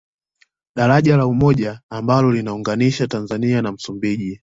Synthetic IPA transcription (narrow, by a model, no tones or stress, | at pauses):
ɗaɾaʄalaumɔʄaːmbalɔlinauŋɡaniʃatanzanianam̩sumbiʄi